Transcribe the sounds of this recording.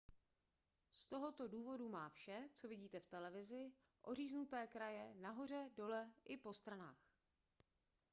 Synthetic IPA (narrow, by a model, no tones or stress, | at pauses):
st̪o̞ɦo̞t̪o̞duːvo̞dumaːfʃɛt͡so̞vɪɟiːt̪ɛft̪ɛlɛvɪzɪ | ʔo̞r̝iːznut̪ɛːkɾajɛnaɦo̞r̝ɛdo̞lɛʔɪpo̞st̪ɾanaːx